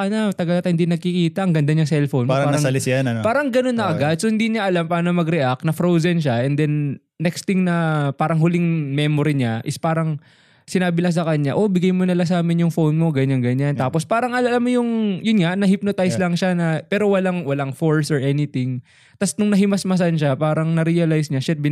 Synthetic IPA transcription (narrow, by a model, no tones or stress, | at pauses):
ɐnat̪ɐɡalat̪ɐhɪnd̪inɐɡ̚kɪkiːt̪ɐʔɐŋɡɐnd̪aɲɐŋsɛlfownaːɾaɐɐlɪsjanɐpaːɾɐŋɡɐno̞nːɐʔɐɡad̪̚sohɪnd̪iɲaʔɐlampaːnomɐɡɾɛʔak̚nɐfɾowzɛnʃaʔɛnd̪ɛnː | ɛkst̪ɪŋnɐpaːɾɐŋɦʊlɪŋmɛːmoɾiɲaʔɪspaːɾɐŋ | sɪnaːbɪlɐŋs̬ɐkɐɲa̰ʔo̞bɪɡajmonɪlas̬aːmɪnjʊŋfownmoɡɐɲaŋɡɐɲant̪aːpo̞spaːɾɐŋʔɐllamːojʊŋjʊnŋaʔnɐhɪp̚not̪ajslɐŋʃanɐpɛːɾowɐlaŋwɐlaŋfoɹsɔɹʔɛnɪt̪ɪŋ | t̪ɐsnʊŋnɐɦɪmɐsmɐs̬anʃapaːɾɐŋnɐɾiɐlajsɲaʃɛt̪̚bɪ